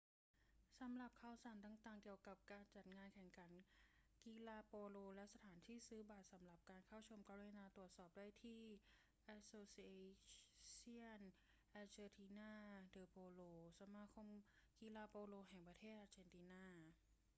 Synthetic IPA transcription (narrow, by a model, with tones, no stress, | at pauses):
sa˩˦mɾa˨˩p̚kʰaː˧˩wsaː˨˩˦nt̪aː˨˩ŋt̪aː˨˩ŋki˨˩əwka˨˩p̚kaː˧nt͡ɕa˨˩t̪̚ŋaː˧nkʰɛ˨˩ŋkʰa˩˦nki˧laː˧poː˧loː˧lɛ˦˥sa˧t̪ʰaː˩˦nt̪ʰiː˥˩sɯː˦˥baː˨˩t̪̚sa˩˦mɾa˨˩p̚kaː˧nkʰaː˥˩wt͡ɕʰo˧mka˧leː˧naː˧t̪ɾu˨˩ət̪̚sɔː˨˩p̚daː˥˩jt̪ʰiː˥˩ | ʔa˦˥tsoː˧si˧e˧si˥˩ən | ʔa˧t͡ɕeː˧t̪ʰiː˧naː˥˩dɤː˧pʰoː˧loː˧sa˧maː˧˥kʰo˧mki˧laː˧poː˧loː˧ɦɛ˨˩ŋpɾa˧t̪ʰeː˥˩t̪ʔaː˧t͡ɕe˧nt̪iː˧naː˥˩